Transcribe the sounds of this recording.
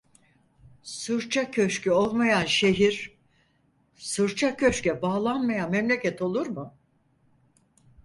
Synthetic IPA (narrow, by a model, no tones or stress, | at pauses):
sɯɾt͡ʃʰacʰø̞ʃcyo̞lˠmajanʃe̞ɦiɾ | sɯɾt͡ʃʰacʰø̞ʃcɛbaːlˠanmajanmɛmlʲecʰɛt̪ʰo̞lˠuɾmʊ